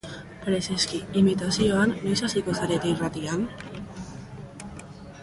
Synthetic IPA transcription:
paɾeseskiimit̪asioanːojsasikosaɾet̪irat̪ian

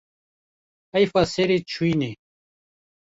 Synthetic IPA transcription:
ɐjfaseɾet͡ɕʰuine

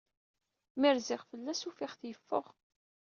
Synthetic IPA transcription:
mɪɾzɪʁfəlːæsufɪχθjəfːʊ̰ʁ

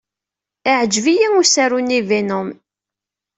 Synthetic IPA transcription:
ɪʕəd͡ʒvijiŋusæɾunːivinʊm

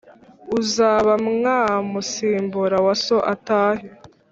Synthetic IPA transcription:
uzaːβamŋaːmusiːmbuɾawaso̞ʔataːɦe

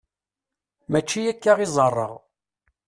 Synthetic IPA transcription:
mæt͡ʃːijækːaʁizˤɑrˤːə̰ʁ

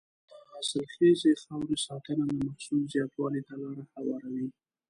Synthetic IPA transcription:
d̪̥əɑsɪlxezexawɾesɑt̪ənad̪əmahsulzjɑt̪wɑlid̪alɑɾahawɑɾawi

